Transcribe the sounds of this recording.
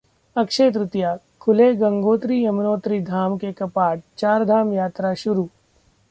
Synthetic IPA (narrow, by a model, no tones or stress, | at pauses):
ɐkʃeːt̪̬ɾʊt̪jaː | kʰʊleɡɐ̃ŋɡoːt̪ɾiɐmnoːt̪ɾid̪ʱaːmkekɐpaːʈ̚t͡ʃaːɾd̪ʱaːmjaːt̪ɾaʃʊɾuː